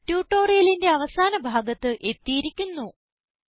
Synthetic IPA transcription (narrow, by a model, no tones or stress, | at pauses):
tjuːʈːo̞ːrijɐlinde̞ɐʋɐsaːnɐbʱaːɡɐt̪ːɨʔe̞t̪ːijiɾikʲːunːu